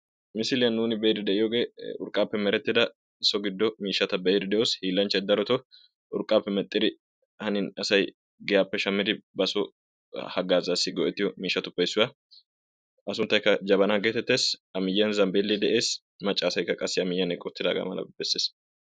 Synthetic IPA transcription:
mɪsɪlɪjɐnːuːnɪbɛjd̪ɪd̪ɛʔɪjoːɡe̞ːʊɾkʼːaːpːɛmɛɾɛt̪ːɪd̪ɐ | sɔɡɪd̪ːɔmiːʃːɐt̪ɐbɛjɪd̪ɪd̪ɛʔoːshiːlːɐnt͡ʃːɛd̪ːɐɾɔt̪ɔ | ʔʊɾkʼːaːpːɛmɛt̪ʼːɪd̪ɪ | hɐnɪnɐsɐj | ɡɛjaːpːɛʃɐmːɪd̪ɪbɐsɔ | hɐɡaːzaːsːɪɡɔʔɛt̪ːɪjɔmiːʃːɐt̪ʊpːɐjsːʊwɐ | ʔɐsʊnt̪ːɐjkːɐd͡ʒɐβɐnaɡet̪ɛt̪ːe̞ːsɐmɪjːɐnzɐmbelːɛd̪ɛʔe̞ːs | mɐt͡ʃʼːaːsɐjkːɐkʼɐsːɪɐmɪjːɐnɛkʼɔt̪ːɪd̪a̰ːɡɐ̰mɐ̰lɐ̰bɛsːeːs

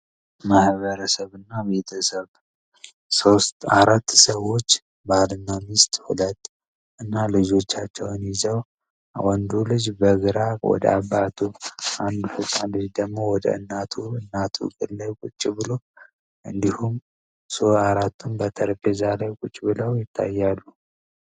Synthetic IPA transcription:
mahβəɾəsəβɨnːaβe̞t̪ʰəsəβ | so̞st̪aɾat̪ːsəwo̞t͡ʃː | balɨnːamist̪ʼhuləd̪ | ʔɨnːalɨd͡ʒo̞t͡ʃːat͡ʃːɛwnjɪzəw | wɔnd̪ulɨd͡ʒbəɡɨɾawɔ̰d̪ə̰abːat̪ʰuʔand̪ufɨsʼalɨd͡ʒd̪əɡmo̞wɔd̪ə̰ɨ̰nːat̪ʰuɨnːat̪ʰṵkʼɨlːəkʼʊt͡ʃʼːibɨlo | ʔɨnd̪ihum | soaɾat̪ːunbət̪ʰəɾfezalajkʼʊt͡ʃʼːbɨləwjɪt̪ʰːa̰jːalːu

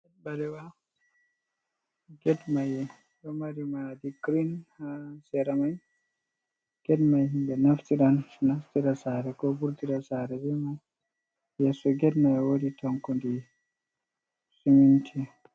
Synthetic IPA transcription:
ɛt̚balɛwa | ɡɛdmajɛ | jɔmaɾimadiɡɾinhasɛɾamaj | ɡ̥ɛdmajhimbɛnaftiɗanːaftiɾasaɾɛkɔbuɾtiɾasaɾɛd͡ʒɛmaj | jɛsɔɡɛdmajwoditɔŋkundi | sumintʰi

